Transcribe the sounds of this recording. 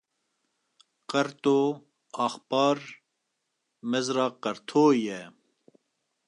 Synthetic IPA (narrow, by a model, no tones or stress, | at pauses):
qɐɾt̪oː | ɑːxpɑːɾ | mezɾɑːqɐɾt̪ʰoːje